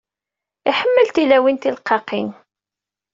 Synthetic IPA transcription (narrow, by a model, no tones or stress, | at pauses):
iħəmːəlt̪ilæwint̪ilqʰːɑqin